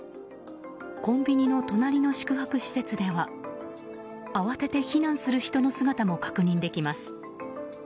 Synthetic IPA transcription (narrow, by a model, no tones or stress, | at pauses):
kõ̞mbʲiɲ̟ino̞t̪o̞naɾʲino̞ɕi̥kɯ̟ɦakɯ̟ɕi̥se̞t͡sɨd̪e̞βa | aβase̞t̪e̞çinãɰ̃sɨɾɯ̟çi̥t̪o̞no̞sɨɡat̪amo̞kḁkɯ̟ɲ̟ĩnd̪e̞kʲimasɨ̥